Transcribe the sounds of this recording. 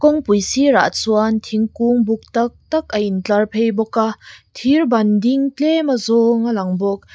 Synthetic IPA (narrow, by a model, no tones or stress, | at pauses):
kɔŋpujsiɾa̰t̚suant̪ʰiŋkuŋbuk̚t̪ɐk̚t̪ɐk̚ʔɐʔint͡ɬɐrpʰejbɔkat̪ʰirbɐndiŋtemɐzɔŋalɐŋbɔk̚